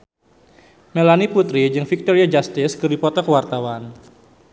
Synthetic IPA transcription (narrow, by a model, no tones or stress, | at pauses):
melaniput̪ɾid͡ʒɨŋfik̚t̪ɔɾiad͡ʒast̪ɪskɨripɔt̪ərkəwart̪awan